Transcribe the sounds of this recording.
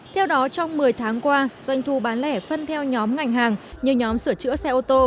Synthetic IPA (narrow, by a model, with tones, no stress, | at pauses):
t̪ʰɛ˧wɗɔ˨˦t͡ɕɔ˧wŋ͡mmɨ˨˩əjt̪ʰaː˨˦ŋkwaː˧zwa˧jŋ̟t̪ʰu˧˩ɓaː˨˦nlɛ˧˩fə˧nt̪ʰɛ˧wɲɔ˨˦mŋa˨˩jŋ̟ɦaː˨˩ŋɲɨ˨əwɲɔ˨˦msɨ˧˩ət͡ɕɨ̰˧˥əsɛ˧ʔo˧t̪o˧